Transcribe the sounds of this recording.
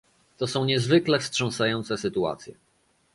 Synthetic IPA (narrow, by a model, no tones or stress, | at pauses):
t̪ɔsɔ̃w̃ɲɛzvɘklɛfstʂɔ̃ñsajɔnt̪sɛsɘt̪ua̰t̪sʲjɛ̰